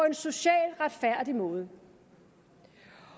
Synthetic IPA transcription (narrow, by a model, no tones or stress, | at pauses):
ɒ̽e̝nso̝ɕɛ̰ːlʁad̥fæɐ̰d̥imɔ̽ːð̞̩ˠ